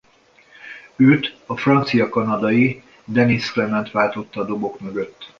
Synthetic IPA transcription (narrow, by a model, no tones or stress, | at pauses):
øːt̪ɒfrɒnt̪sijɒkɒnɒd̪ɒji | d̪ɛnisklɛmɛnt̪ʋaːlt̪o̞t̪ːɒːd̪o̞bo̞kmø̞ɡøt̪ː